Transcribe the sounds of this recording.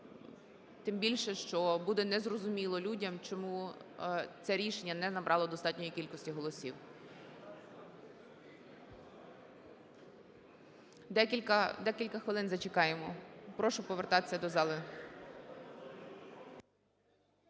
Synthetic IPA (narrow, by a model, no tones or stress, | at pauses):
t̪ɪmbʲilʲʃɛʃt͡ʃɔbud̪ɛnɛzrɔzʊmʲilˠɔlʲudʲɐmt͡ʃɔmu | t͡ssʲɛɾʲiʃenʲːɐnɛnɐbɾʔɑlˠɔd̪ɔst̪ɑtʲnʲɔjikʲilʲkɔsʲtʲiɦɔlˠɔsʲiw | d̪ɛkʲikɐd̪ɛkʲilʲkɐxʋɪlˠɪnzɐt͡ʃekɑjemɔpɾɔʃʊpɔʋert̪ɑt̪e̥sʲɐd̪ɔzɑlˠɪ